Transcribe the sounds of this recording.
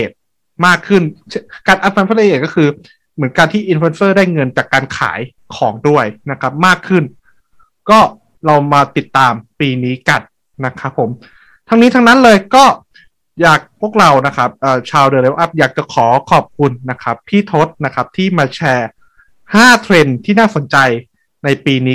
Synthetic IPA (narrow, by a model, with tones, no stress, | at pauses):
ʔeː˨˩t̪̚ | maː˥˩kʰːɯ˥˩nt͡ɕʰka˧˩nʔa˧t̪̚fa˧npʰa˧˥le˧ʔeː˨˩kɔː˥˩ɯː˧ | mɯ˩˦nkaː˧nt̪ʰiː˥˩ʔi˧nfe˧nsɤː˥˩daː˥˩jŋɤ˧nt͡ɕaː˨˩kːaː˧nkʰa̰ː˩˦j | kʰɔː˩˦ŋdu˥˩əjna˦˥kʰa˦˥p̚maː˥˩kʰːɯ˥˩n | kɔː˥˩ | ɾa˧wmaː˧t̪i˨˩t̪ːaː˧mpiː˧niː˦˥ka˧n | na˦˥kʰa˦˥pʰːo˩˦m | t̪ʰa˦˥ŋniː˦˥t̪ʰa˦˥ŋna˦˥nlɤː˧jkɔː˥˩ | jaː˨˩k̚pʰu˥˩ək̚ɾa˧wna˦˥kʰa˦˥p̚ʔɤː˨˩t͡ɕʰaː˧wdɤː˧le˦˥wʔa˦˥p̚jaː˨˩k̚t͡ɕa˨˩kʰɔː˩˦kʰɔː˨˩p̚kʰu˧nːa˦˥kʰa˦˥p̚t̪ʰiː˥˩t̪ʰo˦˥t̪̚na˦˥kʰa˦˥p̚t̪ʰiː˥˩maː˧t͡ɕʰɛː˧ | haː˥˩t̪ʰɾe˧nt̪ʰiː˥˩naː˥˩so˨˩˦nt͡ɕa˧j | na˧jpiː˧niː˦˥